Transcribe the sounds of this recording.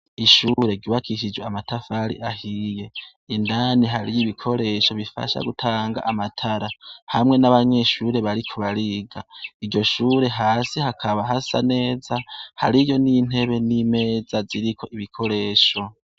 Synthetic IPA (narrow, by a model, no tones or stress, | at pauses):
iʃuɾe̞ɡiβakʰiʃ̬id͡ʒweamatafaɾḭʔahije̞ | indaniɦaɾijiβikʰo̞ɾe̞ʃo̞βifa̰ʃa̰ɡutʰaːŋɡa̰ʔamatʰaɾahamŋe̞naβaɲe̞ʃuːɾe̞βaɾikʰuβaɾiɡaiɾɟo̞ʃuːɾe̞ɦaːsihakʰaβaɦasa̰ne̞ːzahaɾijo̞nin̥he̞βe̞nime̞ːzaziɾikʰo̞ʔiβikʰo̞ɾe̞ːʃo̞